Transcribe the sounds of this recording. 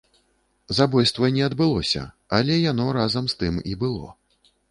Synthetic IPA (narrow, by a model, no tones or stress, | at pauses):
zabɔjst̪vɐnʲɛɐd̪bɨlˠɔsʲɐ̰ | alʲɛjanɔɾazɐmst̪ɨmḭbɨlˠɔ̰